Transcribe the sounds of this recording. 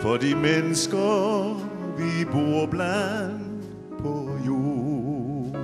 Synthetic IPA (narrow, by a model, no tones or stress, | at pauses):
fɔd̪iːmɛnəskə | ʋiboːblænnd̪ | pʰɔju